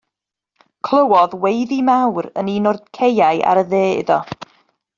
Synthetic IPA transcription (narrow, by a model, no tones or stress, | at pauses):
kʰlˠəwɔðwejðimawɾə̰ninɔrd̥kʰejajʔa̰ɾəðeːɪ̰ðɔ̰